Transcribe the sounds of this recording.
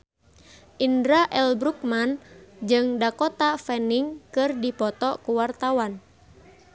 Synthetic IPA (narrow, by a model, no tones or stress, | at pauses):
ʔindɾaʔɛlbɾuk̚mand͡ʒɨŋdakɔt̪afɛniŋkɨrdipɔt̪ɔkuwart̪awan